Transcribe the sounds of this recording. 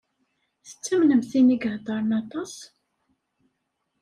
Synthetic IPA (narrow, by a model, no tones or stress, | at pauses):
θə̥t͡sːæmnəmθiniɡɾd̪ˤɑɾˤnɑt̪ˤɑs